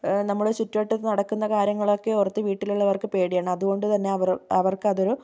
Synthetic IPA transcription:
nɐmːɐɭot͡ɕutːuʋeʈːɐðːnɐɽɐkːunːɐkaːɾjɐŋːɐɭo̞kːe̞urɐt̪ːɨʋiːʈːiluɭːɐʋɐrkɨpeːɽijaːɳɨɐðuɣo̞ɳɖɨt̪ɐnːe̞ɐʋɐrɐʋɐrkɨɐðo̞ɾu

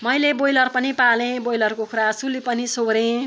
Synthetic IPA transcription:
mʌjlebojlʌrpʌnipalẽbojlʌrkokʰuɾasulipʌnisoɾẽ

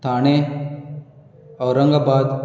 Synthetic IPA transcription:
t̪ʰaːɽ̃e | ɔːɾːə̃ŋɡabaːd̪

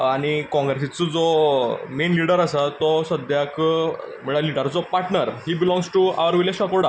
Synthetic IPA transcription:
aɽ̃ikɔ̃ŋɡɾesit͡səd͡zɔmenliɽəɾasat̪ɔsəd̪jakm̤əɭaliɽəɾd͡zɔpaɾʈnəɾɦiːbilɔ̃ŋɡsʈua̰ʋəɾʋileɕakoɽa

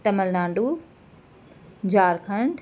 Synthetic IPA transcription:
t̪ɐməlnãːɳɖu | d͡ʑaːɾkʰɐɳɖ

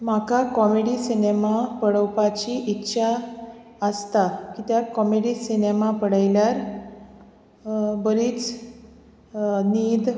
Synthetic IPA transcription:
makakɔmeɽisinemapəɽəwpat͡ɕiʔitːɕʰa | əst̪akit̪jakɔmeɽiːsinemapəɽajljaɾ | bəɾiːt͡s | niːd̪

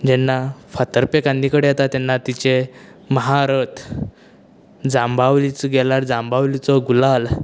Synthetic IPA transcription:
d͡ʑɛnːafat̪əɾpekãnd̪ikəɽeɦat̪at̪ɛnːat̪it͡ɕeməɦaɾət̪ | d͡zambʱaʋlit͡sɡɛlaɾd͡zãmbʱaʋlit͡sɔɡulal

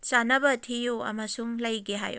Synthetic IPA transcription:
t͡ʃanɐbɐtʰijuɐ̰mɐsuŋlɐjɡeɦa̰jṵ

